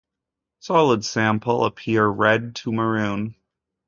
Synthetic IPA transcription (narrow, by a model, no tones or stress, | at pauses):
sɑlˠədsæ̃mpl̩ˠə̰pʰɪɹɹɛd̚tʰəmə˞ʉ̃n